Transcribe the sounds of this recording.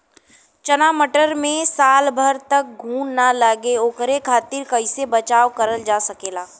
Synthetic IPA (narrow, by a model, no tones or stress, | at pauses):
t͡ʃɐnaːməʈəɾmẽsaːlbʱəɾt̪ɐk̚ɡʱuːnnaləɡeoːkɾekʰaːt̪ɪɾkɐɪsebɐt͡ʃaːʋkɐɾəld͡ʒaːsɐkeːlaː